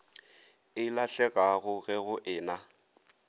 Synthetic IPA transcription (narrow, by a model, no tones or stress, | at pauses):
ɪlaɬɛkʼaɣʊɣɛɣʊʔɪːna